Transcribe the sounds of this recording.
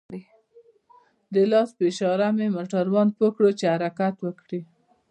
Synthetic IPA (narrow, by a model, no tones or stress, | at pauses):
i | d̪əlɑspeʃɑɾamemoʈaɾwɑnd̪̚pokɽot͡ʃehaɾakat̪wəkɽi